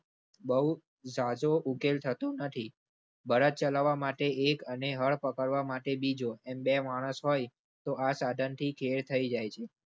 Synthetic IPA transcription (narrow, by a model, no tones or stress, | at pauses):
bəɦu | sad͡ʒoʔukelt̪ʰət̪ũnət̪ʰi | bəɾət̪̚t͡ʃəlaʋːamaʈeʔekəneɦəɭpəkəɾʋamaʈebid͡ʒoɛmbemaɽ̃əsɦoj | t̪oasad̪ʱənt̪ʰikʰeɾt̪ʰəid͡ʒajt͡ʃʰe